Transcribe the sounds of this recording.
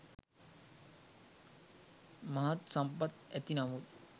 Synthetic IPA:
mɐɦɐt̪sɐmpɐt̪ɛt̪inɐmut̪

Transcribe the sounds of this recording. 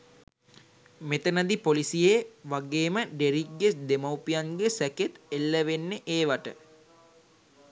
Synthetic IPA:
met̪ənad̪ipolisijeʋaɡeːməɖeɾikɡesd̪emawpijaŋɡesæket̪elːəʋenːeʔeːʋaʈə

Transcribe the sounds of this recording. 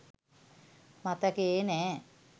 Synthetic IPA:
mat̪əkeeːnɛː

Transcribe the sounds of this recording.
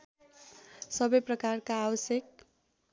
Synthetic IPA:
sʌbʌjprʌkarkaːwʌsjek̚

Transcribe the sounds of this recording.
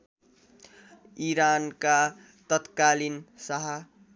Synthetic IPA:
iɾanka | t̪ʌt̪kalinsʌɦʌ

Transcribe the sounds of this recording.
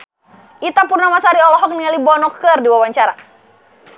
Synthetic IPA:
ʔit̪apurnamasaɾiɔlɔɦɔk̚niŋalibɔnɔkɨrdiwawaɲt͡ʃaɾa

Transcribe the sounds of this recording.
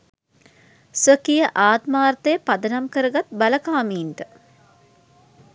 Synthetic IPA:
sʋəkijəʔaːt̪maːrt̪ejəpad̪ənamkəɾəɡat̪̚baləkaːmiːnt̪ə

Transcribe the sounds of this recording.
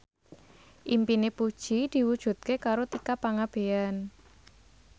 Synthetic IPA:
ʔimpinepud̥ʒ̥id̪̥i̤wud̥ʒ̥ṳt̪̚kekaɾot̪ikapaŋab̥ean

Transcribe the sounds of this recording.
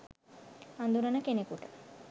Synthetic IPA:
and̪uɾɐnɐkenekuʈ

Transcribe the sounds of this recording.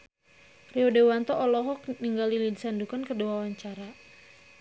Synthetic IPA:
riodewant̪ɔʔːlɔɦɔkniŋɡalilidisandukankəduawaɲt͡ʃaɾa

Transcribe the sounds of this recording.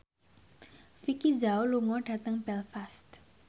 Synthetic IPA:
fikid͡ʒawluŋɔɖ̥ä̤t̪əŋb̥ɛlfast̪

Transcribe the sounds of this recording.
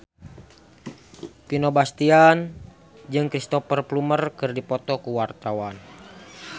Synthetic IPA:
pinɔbast̪ian | d͡ʒɨŋkɾist̪ɔfərplumərkɨrdipɔt̪ɔkuwart̪awan

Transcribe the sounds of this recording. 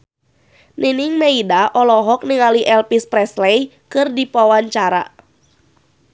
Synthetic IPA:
ninɪŋmeidaʔɔlɔɦɔk̚niŋaliʔɛlpispɾɛslɛjkɨrdipawaɲt͡ʃaɾa̰

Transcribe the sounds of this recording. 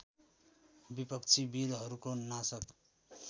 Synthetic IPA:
bipʌkt͡sʰibilɦʌɾukonasʌk

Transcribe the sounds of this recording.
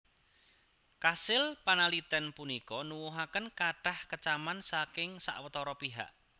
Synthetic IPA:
kasɪlpanalit̪ɛnpunikɔnuwuɦakənkaɖ̥a̤hkət͡ʃamansakɪŋsa̰ʔwət̪ɔɾɔpiɦa̰ʔ

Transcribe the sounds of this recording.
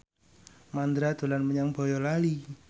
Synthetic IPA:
mand̪ɾad̪̥o̤lanməɲaŋb̥ɔ̤jɔlali

